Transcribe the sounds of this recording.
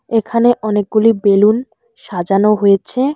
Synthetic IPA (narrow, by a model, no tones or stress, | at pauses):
ekʰaneʔɔnek̚ɡulibelun | ʃad͡ʑanoɦojet͡ɕʰe